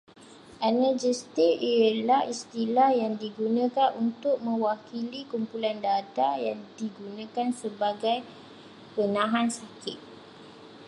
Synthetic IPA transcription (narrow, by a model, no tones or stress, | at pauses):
ʔanad͡ʒəst̪ɪkiəlahist̪ilahjaŋdiɡunə̃kanʔunt̪ʊk̚mə̃wakilikumpulandat̪ajaŋdiɡunãkansəbaɡaj | pənãɦansakɪt̪̚